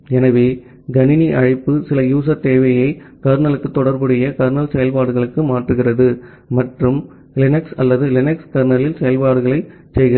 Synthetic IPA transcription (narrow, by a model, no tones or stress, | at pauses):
ɛnɐʋeː | ɡ̪ɐnɪniʔɐɻɪpːɯsɪlɐjuːs̬ɐɾt̪eːʋɐjɐɪkɐɾnɐlɯkːɯt̪ːɔɽɐɾbɯɽɪjɐkɐɾnɐlsɛjɐlpaːɽɯɣɐɭɯkːɯmaːʈrɯɣɪrɐðɯ | mɐʈrɯm | lɪnɛksɐlːɐðɯlɪnɛkskɐɾnɐlɪlsɛjɐlpaːɽɯɣɐɭɐɪ | t͡ʃɛjɣɪɐ